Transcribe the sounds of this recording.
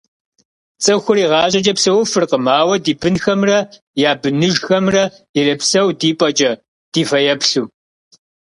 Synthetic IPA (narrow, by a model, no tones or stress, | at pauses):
t͡sʼɐxʷʊɾiːʁɑːɕʼɐt͡ʃʼɐpsɐwʊfɨrqəmaːwɐdiːbɨnxɐmrɐ | jaːbɨnɨʒxɐmrɐ | ɛrɐpsɐwdiːpʼɐt͡ʃʼɐ | d̥iːfɐjɛpɬuː